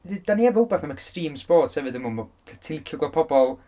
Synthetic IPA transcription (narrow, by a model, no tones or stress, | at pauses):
did̥aniɛvɔʊbaθnamɛkstriːmsb̥oːd̥sɛvɨdəmʊnmɔtʰətʰɪlkʰjʊɡwapʰɔbɔlˠ